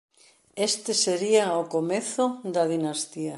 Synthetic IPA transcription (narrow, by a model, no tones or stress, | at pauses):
est̪eseɾiaokomeθoðɐðinast̪iɐ